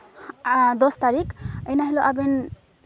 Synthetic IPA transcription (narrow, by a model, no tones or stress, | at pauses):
d̪ɔst̪aɾikejnaɦiloʔaben